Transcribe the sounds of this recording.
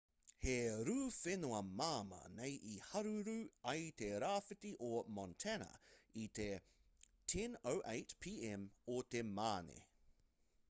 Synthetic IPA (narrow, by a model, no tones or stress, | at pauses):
heɾʉːfɪnuɐmaːmɐ̰nejʔihɐɾuɾʉɐjt̪eɾaːfɪtiʔomɔntʰɛnɐ̰it̪e | tʰɛnowʔejtpʰiːɛmot̪emaːnḛ